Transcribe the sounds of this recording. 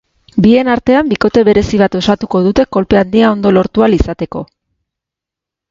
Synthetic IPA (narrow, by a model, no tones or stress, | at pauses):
bie̞naɾt̪e̞ambiko̞t̪e̞βe̞ɾe̞siβ̞at̪o̞sat̪uko̞ðut̪e̞ko̞lpe̞and̪iao̞nd̪o̞lo̞ɾt̪ualisat̪e̞ko̞